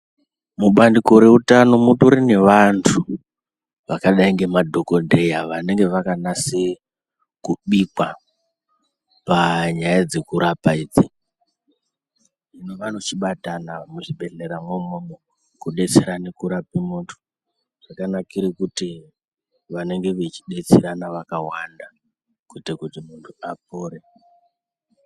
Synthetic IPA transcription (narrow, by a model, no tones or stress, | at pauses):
muɓandiko̞ɾe̞utano̞mutuɾine̞ʋantʰu | ʋakaɗaiŋɡe̞madʱo̞ko̞dʱe̞jaʋane̞ŋɡe̞ʋakanase | kuɓikwa | paɲajad͡ze̞kuɾapaiːd͡zi | inoʋano̞t͡ʃiɓatanamuʐiɓe̞ɮe̞ɾamwomumo | kuɗe̞t͡seɾane̞kuɾapemuntʰu̥ | ʐ̥akanakiɾekuti | ʋane̞ŋɡe̞ʋe̞t͡ʃi̥ɗe̞t͡seɾanaʋakawanda | kutekutimuntʰuap̚oːɾe